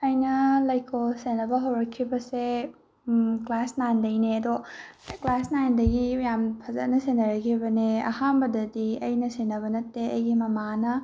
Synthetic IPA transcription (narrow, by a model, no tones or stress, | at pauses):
ɐjnɐlɐjkʰosenɐbɐɦɐwɾɐkʰːibɐse | klasnajndɐjneɐdoklasnajndɐɡijampʰɐzɐt̚nɐsenɐɾɐkʰːibɐneɐ̰hanbɐdɐdiɐjnɐsenɐβɐnɐtːeɐjɡimɐmanɐ